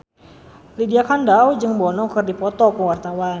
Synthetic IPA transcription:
lidiakandawd͡ʒɨŋbɔnɔkɨrdipɔt̪ɔkuwart̪awan

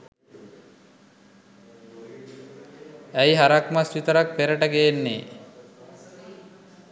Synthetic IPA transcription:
æjɦaɾakmasʋit̪əɾak̚peɾəʈəɡeːnːeː

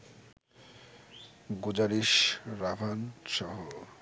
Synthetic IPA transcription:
ɡod͡ʑaɾiʃɾabʱanʃɔɦo

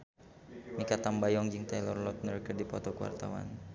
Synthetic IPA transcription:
mikat̪ambajɔŋd͡ʒɪŋt̪ajlɔrlɔt̪̚nərkərdipɔt̪ɔkəwa̰rt̪a̰wa̰n

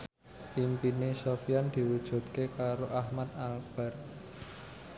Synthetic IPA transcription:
pimpinesofiand̪̥i̤wud̥ʒ̥ṳt̪kekaɾoʔahmat̪alb̥a̤r

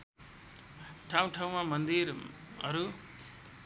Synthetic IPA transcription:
ʈʰaw̃ʈʰaw̃mamʌnd̪iɾ | ʌ̰ɾu

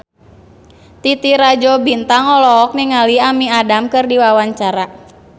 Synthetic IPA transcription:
t̪it̪iɾad͡ʒɔbint̪aŋɔlɔːk̚niŋaliamiadamkɨrdiwawaɲt͡ʃaɾa

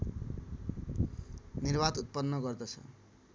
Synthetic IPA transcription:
nirbad̪ut̪̚pʌnːʌɡʌrd̪ʌt͡sʰʌ̰

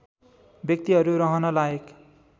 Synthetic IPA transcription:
bjʌk̚t̪iɦʌɾuɾʌɦʌnʌlaek

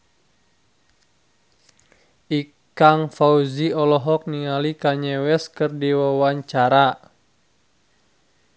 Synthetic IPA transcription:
ʔi | kaŋfauziɔlɔɦɔk̚niŋalikaɲɛwɛskərdiwawaɲt͡ʃaɾa

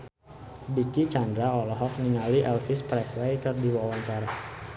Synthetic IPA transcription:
bikit͡ʃandɾaɔlɔɦɔk̚niŋaliʔɛlfispɾɛslɛjkɨrdiwawaɲt͡ʃaɾa

